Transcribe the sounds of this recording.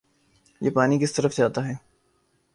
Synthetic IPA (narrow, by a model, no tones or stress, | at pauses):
jeːpaːnikɪst̪ɐɾəfd͡ʒaːt̪aɦɛː